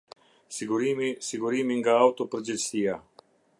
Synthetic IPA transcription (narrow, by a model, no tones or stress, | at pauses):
siɡuɾiːmisiɡuɾiːmiŋɡaawt̪opɾd͡ʒensiːa